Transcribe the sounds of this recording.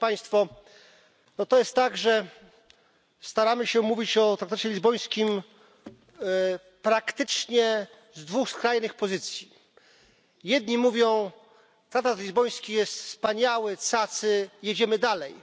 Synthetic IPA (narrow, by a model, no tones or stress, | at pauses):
paj̃st̪fɔ | nɔt̪ɔjɛst̪ːaɡʐɛ | st̪aɾamɘɕɛmuvʲit͡ɕɔt̪ɾakt̪at͡ɕɛlʲizbɔj̃skʲim | pɾakt̪ɘt͡ʂɲɛ | zd̪vuxskɾajnɘxpɔzɘt̪sʲji | jɛd̪ɲimuvʲjɔ̃w̃ | t̪ɾakt̪at̪lʲizbɔj̃skʲijɛst̪fspaɲawɘt̪sat̪sɘjɛd͡ʑɛmɘd̪alɛj